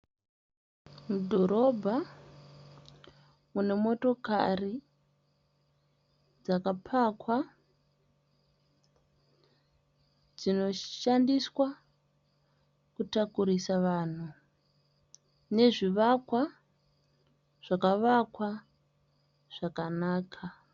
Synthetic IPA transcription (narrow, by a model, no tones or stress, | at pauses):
mudʱo̞ɾo̞bʱa | mune̞mo̞to̞ka̰ri | d͡zakapʰakwa | d͡zino̞ʃandiswa | kutakuɾisaʋaːn̤u | ne̞ʐiʋakwa | ʐ̥akaʋakwa | ʐ̥akanaːkʰa